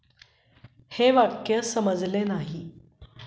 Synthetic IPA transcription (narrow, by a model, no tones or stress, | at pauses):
heʋakjəsəməd͡zlenaɦi